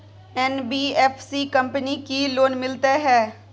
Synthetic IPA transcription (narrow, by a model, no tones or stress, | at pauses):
ɛːnbiːɛːpʰsiːkəmpnikiloːnmɪlt̪aɦɛː